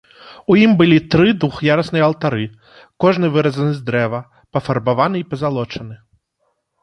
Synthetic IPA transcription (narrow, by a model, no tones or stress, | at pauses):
ujimbɨlʲit̪ɾɨd̪uxjaɾɐsnɨjɐlˠt̪aɾɨ | kɔʐnɨvɨɾɐzɐnɨzd̪ɾɛvɐ | pɐfɐrbavanɨipɐzalˠɔt͡ʂɐnɨ